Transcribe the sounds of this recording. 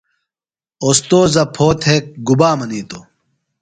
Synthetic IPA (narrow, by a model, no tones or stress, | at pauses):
ost̪oːzɐpʰoːt̪ʰhek̚ɡubaːmɐniːt̪o